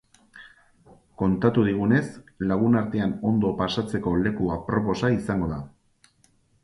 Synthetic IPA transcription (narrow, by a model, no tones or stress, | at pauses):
ko̞nt̪at̪uðiɣ̞une̞slaɣ̞unaɾt̪eano̞nd̪o̞pasat͡se̞ko̞le̞kuapɾo̞po̞saisaŋɡo̞ða̰